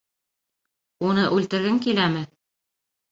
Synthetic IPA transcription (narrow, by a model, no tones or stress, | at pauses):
unɤʔʉlt̪ɘ̆ɾɡɘŋkilæmɘ